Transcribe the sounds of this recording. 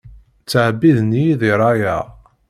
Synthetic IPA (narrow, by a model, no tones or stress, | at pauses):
t͡sːəʕbiðniðiɾˤɑjæ̰ʁ